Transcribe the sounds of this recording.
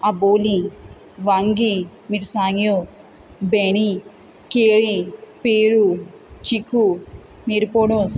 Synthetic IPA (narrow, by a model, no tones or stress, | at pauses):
aboːli | ʋaŋɡi | miɾsaːŋjo | beni | keːɭipeːɾu | t͡ʃikʰːu | niɾpoːɽos